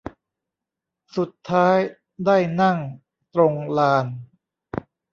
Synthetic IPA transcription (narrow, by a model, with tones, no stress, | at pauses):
su˨˩t̪ʰːaː˦˥j | daː˥˩jna˥˩ŋ | t̪ɾo˧ŋlaː˧n